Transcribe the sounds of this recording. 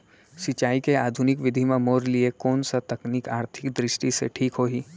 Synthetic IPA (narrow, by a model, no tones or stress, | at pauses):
sɪt͡ʃaːikeaːd̪ʱʊnɪkʋɪd̪ʱimãmoːɾliekoːnsat̪ɐknɪkaːɾt̪ʰɪkd̪ɾɪʃʈisḛʈʰiːkɦoːɦiː